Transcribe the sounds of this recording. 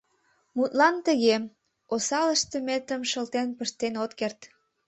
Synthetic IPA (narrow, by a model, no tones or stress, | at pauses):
mut̪lɑnt̪əɣe | osɑləʃt̪əmet̪əmʃəlt̪enpəʃt̪enot̪kert̪